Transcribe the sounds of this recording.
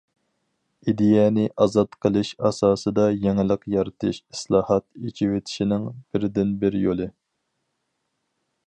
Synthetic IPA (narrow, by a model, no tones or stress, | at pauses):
id̪ejɛnɪʔɑzɑt̪qʰəlˠɨʃɑsɑːsɨd̪ɑjɛŋɪlˠəqjɑɾɨt̪ʰɨʃi̥slˠɑːhɑt̪it͡ʃʰiwet̪ʰɪ̥ʃinɪŋb̥ɪɾd̪ɪnbɪɾjolˠɨ